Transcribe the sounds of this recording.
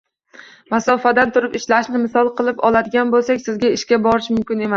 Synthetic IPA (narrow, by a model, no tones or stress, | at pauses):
masɒfad̪ant̪ʰʊɾɪpɪʃlaʃnɪmɪsɒlˠqʰɨlˠɪpɒlad̪ɪɡʲanbolˠsakʲsɪzɡʲaɪʃkʲabɒɾɪʃmʊmkʲɪne̞mas